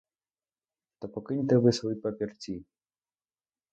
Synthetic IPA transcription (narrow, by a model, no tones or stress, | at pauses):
t̪ɔpɔkɪnʲt̪ɛʋɪsvɔjpapʲirt͡sʲi